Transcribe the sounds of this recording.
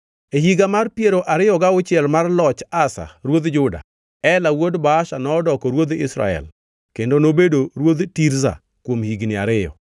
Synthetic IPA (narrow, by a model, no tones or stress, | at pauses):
ehiɡamarpjeɾoʔaɾɪjɔɡaʊt͡ʃɪɛlmarlɔt͡ʃasa̰ɾwod̪d͡ʒʊda̰ | ɛlawodbaːʃanɔːdɔkɔɾwod̪ɪ̰sɾa̰ɛ̰l | kendonobedoɾwod̪tiɾza̰ | kwomhiɡnɪa̰ɾɪjɔ̰